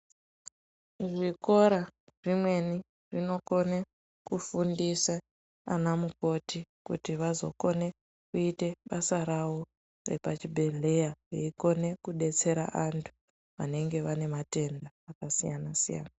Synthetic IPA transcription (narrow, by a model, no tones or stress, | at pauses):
ʐiko̞ɾa | ʐimwe̞ni | ʐino̞ko̞ne | kufundisa̰ː | namuko̞tikṵtiʋazo̞̰ko̞ne̞ | kuite̞ɓasaɾawo̞ | rḛpat͡ʃibʱe̞ɮe̞jajeiko̞ne̞kuɗe̞t͡se̞ɾa̰ʔantʰu̥ | ʋa̰ne̞ŋɡe̞ʋane̞mate̞ndaːkasijanasija̰ːna